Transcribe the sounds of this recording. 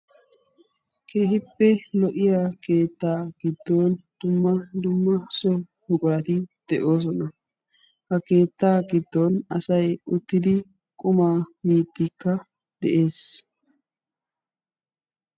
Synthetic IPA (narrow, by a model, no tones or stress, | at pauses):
kʰe̞ːhɪpːɛlɔʔɪjaːke̞ːt̪ːaːɡ̥ɪd̪ːoːnd̪̥ʊmːɐd̪ʊmːɐsɔ | hʊkʼʊɾɐt̪ɪd̪̥ɛʔo̞ːs̬ɔnɐ | hɐke̞ːt̪ːaːɡɪd̪ːɔnɐsɐjʊt̪ːɪd̪ɪ | kʼʊmaːmiːt̪ːɪkːɐ | d̪ɛ̰ʔe̞ːs